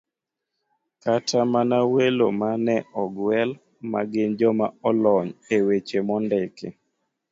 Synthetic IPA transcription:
katʰamanawelomanɛɔɡwɛl | ma̰ɡɪnd͡ʒɔmaɔlɔɲewet͡ʃemɔndɛkʰḛ

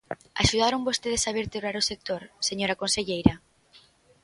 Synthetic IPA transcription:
a̰ʃuðaɾoŋbost̪eð̞esaβeɾt̪eβɾaɾosek̚t̪oɾseɲoɾakonseʎejɾɐ

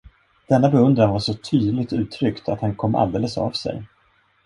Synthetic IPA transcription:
d̪̥ɛnːabɛɵnd̪ɾanvaʂɔt̪ʰyːd̪lɪɡ̚t̪ʉ̟ːt̪ʰɾʏkt̪ʰat̪hankʰɔmːʔa̰ld̪eːləsa̰vsɛ̰j

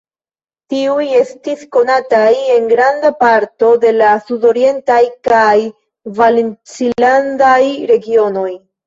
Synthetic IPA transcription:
tiuje̞stisko̞nataje̞ŋɡɾandapaɾto̞de̞lasudo̞ɾie̞ntajkaj | valent͡siandajɾe̞ɡio̞no̞j

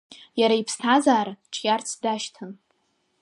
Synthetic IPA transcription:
jaɾaipʰstʰazaːɾaʈ͡ʂʰjart͡sʰdaʃtʰɨn

